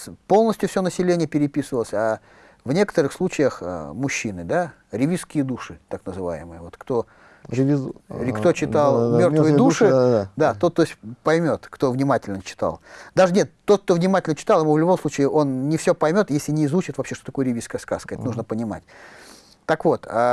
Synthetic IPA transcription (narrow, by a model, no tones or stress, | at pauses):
po̞lˠnəsʲtʲjʊfsʲonəsʲɪlʲenʲɪjəpʲɪɾʲɪpʲisɨvəlˠəsʲa | vnʲe̞kə̥t̪əɾɨxslˠut͡ɕɪjəxə̰mʊɕːinɨd̪a | ɾʲɪvʲiskʲɪjəd̪uʂɨt̪aknəzɨva̰jɪ̰mɨ̰jəvo̞t̪kt̪o̞ | kt̪o̞t͡ɕɪt̪alˠmmʲo̞rtmvəjəd̪uʂɨd̪at̪ot̪ːosʲpɐjmʲo̞t̪kt̪o̞vnʲɪmatʲɪlʲnət͡ɕɪ̥t̪a̰lˠd̪aʐɨnʲet̪ːo̞t̪̚k̚t̪o̞vnʲɪmatʲɪlʲnət͡ɕɪ̥t̪ɑlˠɪmuvlʲʊbo̞msˠut͡ɕɪɪʔo̞nnʲɪfsʲopɐjmʲo̞t̪jesʲlʲɪnʲɪːzut͡ɕɪt̪vɐpɕeʂt̪ot̪ɐkojəɾʲɪviskəjəska̰skəɛt̪ənuʐnəpənʲɪma̰tʲ | t̪akvo̞t̪a